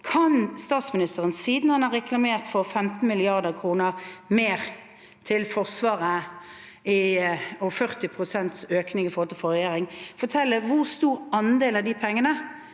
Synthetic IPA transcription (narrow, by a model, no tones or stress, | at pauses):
kʰɑnst̪ɑːt̪smɪnɪst̪əʁənsiːd̪n̩hɑnɑʁɛkʰlɑmeːʁt̪fɔʁfɛmt̪n̩mɪlɪɑʁd̪əʁkʰʁuːnəʁmeːʁ | t̪ʰɪlfɔʁsʋɑːʁə | ɪɔfœʁt̪ɪpʰʁʊsɛnt̪søːknɪŋɪfɔʁlt̪ʰəfɔʁɛjeːʁɪŋfɔt̪ʰɛlːəʋʊʁst̪uːɾɑnd̪eːlɑd̪ipʰɛŋːənə